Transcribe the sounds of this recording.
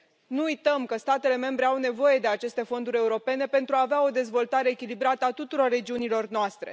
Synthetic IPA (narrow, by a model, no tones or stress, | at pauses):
nuujt̪əmkəst̪at̪e̞le̞me̞mbɾe̞awne̞vo̞je̞d̪e̞at͡ʃe̞st̪e̞fo̞nd̪uɾʲe̞uɾo̞pe̞ne̞pent̪ɾuaːveao̞d̪e̞zvo̞lt̪aɾe̞ːkʲilibɾat̪əat̪ut̪uɾo̞rːe̞d͡ʒiunilo̞rnoast̪ɾe̞̰